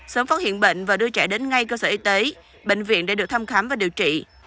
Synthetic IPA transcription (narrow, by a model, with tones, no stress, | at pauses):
səː˨˦mfaː˦˥t̚ɦḭ˧˨ənɓḛ˧˨ŋ̟vaː˨˩ɗɨ˧ət͡ɕɛ̰ː˧˩ɗe˨˦nŋa˧jkəː˧səː˧˩ʔi˧t̪e˨˦ | ɓḛ˧˨ŋ̟vḭ˧˨ənɗa̰ː˧˩ɨ˨˩k̚t̪ʰa˧mxa˨˦mvaː˨˩ɗi˨˩əwt͡ɕḭ˧˨